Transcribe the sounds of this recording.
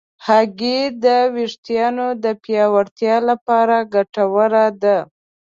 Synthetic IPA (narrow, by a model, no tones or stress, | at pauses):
haɡid̪əwiʂt̪jɑnod̪əpjɑwaɾt̪jɑlapɑɾaɡaʈawəɾad̪a